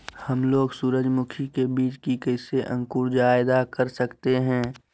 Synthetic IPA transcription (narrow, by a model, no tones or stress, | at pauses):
hɐmloːɡsuːɾəd͡ʒmʊkʰikebiːt͡ʃkikəːseʔə̰̃ŋkʊɾd͡ʒaːɪd̪akɐɾsɐkt̪eɦɛ̃ː